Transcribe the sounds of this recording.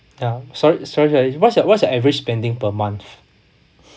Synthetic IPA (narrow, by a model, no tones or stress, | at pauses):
jasɔɹisɔɹisɔɹiwɔtsdəwɔtsdəɛvɹit͡ʃspɛ̃ndɪ̃ŋpəmãnθ